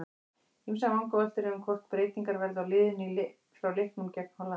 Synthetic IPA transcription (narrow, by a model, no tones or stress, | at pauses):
imsamawŋkɔvɛl̥t̪ɪɾɛʏmkʰɔr̥t̪̚pɾeːjt̪iŋkaɾvɛɾðʏawlɪːðʏnil | fɾawlɪhp̪nuncɛkn̥hɔla